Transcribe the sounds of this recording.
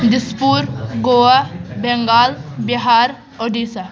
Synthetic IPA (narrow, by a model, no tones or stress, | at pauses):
d̪ɪspuːɾɡoːabɛŋɡaːlbiɦaːɾ | oɖisa